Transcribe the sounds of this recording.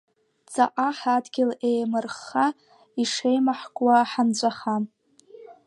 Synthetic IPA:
t͡sʼaʔaħadɡʲɪlejmɨrχa | iʂejmaħkʷʼwaħant͡ɕʷʼaχam

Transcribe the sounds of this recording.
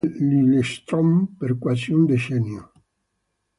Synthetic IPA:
lilest̪ɾɔmpeɾkwasiund̪eʃɛnjo

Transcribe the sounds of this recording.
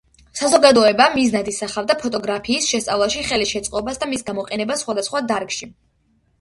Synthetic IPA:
sazɔɡad̪ɔɛbamiznad̪isaχavd̪apʰɔt̪ʼɔɡɾapʰiːsʃɛst̪sʼavlˠaʃiχɛliʃɛt̪sʼqʼɔbasd̪amisɡamɔqʼɛnɛbasːχwad̪asχwad̪aɾkʃi

